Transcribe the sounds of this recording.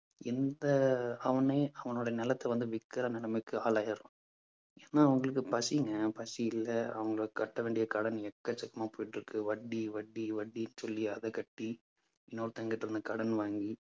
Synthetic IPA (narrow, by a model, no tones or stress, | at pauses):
ɪnd̪ɐɐʋɐnɐɪɐʋɐnoːɽɐjɐnɛlɐt̪ːɐʋɐnd̪ɯʋɪkːɐɾɐnɛlɐmɪkːɯaːlaːjɐɾʊ̃ | eːnːaːɐʋɐŋɡɐɭɯkːɯpɐsiŋɡɐpɐsiɪlːɐɐ̰ʋɐŋɡɐɭkːɐʈːɐʋeːɳɖɪjɐkɐɽɐnɛkːɐt͡ʃːɐkːɐmaːpoːjɪʈːɾɯkːɯʋɐɖːiʋɐɖːiʋɐɖːinːɯsɔlːiɐðɐkɐʈːi | ɪnːoːɾɯt̪ɐŋɡɪʈːɪɾɯnd̪ɯkɐɽɐnʋaːŋɡi